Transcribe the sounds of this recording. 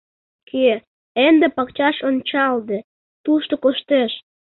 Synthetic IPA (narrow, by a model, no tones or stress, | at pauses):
kʰe | end̪epɑkt͡ɕɑʃont͡ɕɑld̪ĕ | t̪uʃt̪okoʃt̪eʃ